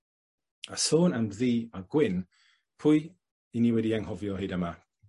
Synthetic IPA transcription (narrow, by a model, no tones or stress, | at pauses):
ə̰soːnamðiːaɡ̥wɪn | pʰʊɨ | iniwɛdiaŋhɔvjɔɦejdəma